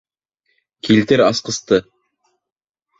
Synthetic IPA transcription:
kilt̪ɘɾɑsqɤ̆st̪ɤ

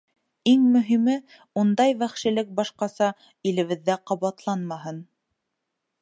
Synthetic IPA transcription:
iŋmɵ̆ɦimɘ | und̪ɑjβæχʃɘ̆lɘk̚bɑʃqɑsɑ | ilɘ̆βɘ̆ðːæqɑβɑt̪lˠɑnmɑɦɤn

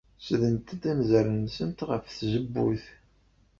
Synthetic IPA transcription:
sðənt̪d̪æmzəɾənsənt̪ʁəfθzəbːuθ

